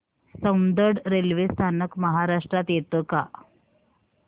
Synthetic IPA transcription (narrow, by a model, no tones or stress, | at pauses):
səwnd̪əɾɖɾelʋest̪ʰanəkməɦaɾaʂʈɾat̪jet̪əka